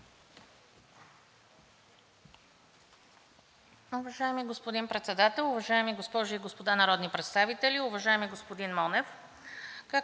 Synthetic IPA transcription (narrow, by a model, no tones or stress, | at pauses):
ʊvɐʒaɛmiɡospod̪inpɾɛt̪sɛd̪at̪ɛlˠʊvɐʒaɛmiɡospɔʒiːɡospod̪anɐɾɔd̪nipɾɛt̪st̪avit̪ɛlʲiʊvɐʒaɛmiɡospod̪inmɔnɛf | ka